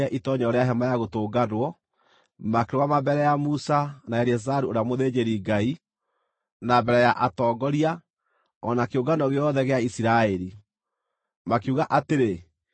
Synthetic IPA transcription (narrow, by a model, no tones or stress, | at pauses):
ɛʔitɔɲɛoɾeaɦɛmajaɣotoːɡanwɔ | makeɾowamabɛɾɛjamusanaaɾiɛs̬aɾuoɾeamoðeːd͡ʑeɾiːɡai | nabɛɾɛjaʔatɔːɡɔɾia | ɔnakeoɡanɔɣeɔðɛɣeaisiɾaɛɾi | makeuɣaʔateɾe